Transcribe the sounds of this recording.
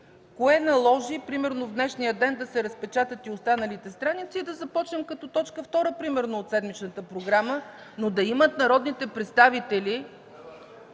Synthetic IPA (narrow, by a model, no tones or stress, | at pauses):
koɛnɐlˠɔʒipɾimɛɾnovd̪nɛʃnijəd̪ɛnd̪ɐsɛɾəspɛt͡ʃat̪ət̪iost̪anəlit̪ɛst̪ɾanit̪siːd̪ɐzɐpɔt͡ʃnɛmkɐt̪ɔt̪ɔt͡ʃkəft̪ɔɾəpɾimɛɾnoot̪sɛd̪mit͡ʃnət̪əpɾoɡɾamə | nod̪ɐimət̪nɐɾɔd̪nit̪ɛpɾɛt̪st̪avit̪ɛli